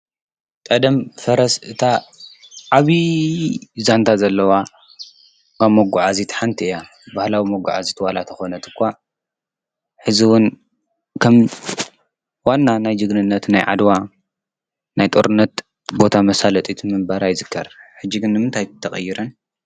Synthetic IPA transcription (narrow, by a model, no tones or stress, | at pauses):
kʼɐd̪ɐmfɐɾɐsɨt̪ʰa | ʕaβi | zant̪ʰazɐlːɐwa | kaβmoɡːuʕazit̪ʰħant̪ʰiʔɨja | bahlawimoɡʷːṵʕa̰zit̪ʰwalat̪ʰɐxo̞nɐt̪ʰɨ̥kʷːa | ħɨziwʊn | kʰɐm | wanːanajd͡ʒɨɡnɨnːɐt̪na̰jʕa̰d̪wa | najt̪ʼoɾɨnːɐt̪ | bo̞t̪ʰamɐsalɐt̪ʼit̪ʰmɨmbaɾajzɨkʰːɐɾħɨd͡ʒːiɡɨnːɨmɨnt̪ʰajt̪ʰːɐχʼɐjːɪɾɐn